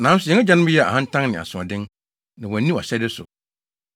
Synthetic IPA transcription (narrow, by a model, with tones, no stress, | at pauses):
nã˨˦n̩˦sʊ˨jɛ˨˦a˦d͡ʑa˦nɪ̃˦m˦jɛ˦˨a̰˨hã˦n̩˦tʰã˦ŋnɪ̃˨a̰˨sʊ̃˨a˨dɪ̃˦n | nã˨wɔ̃˨˦nĩ˦ɔ̰˨ɕɛ˦dɪ˦sʊ̰˨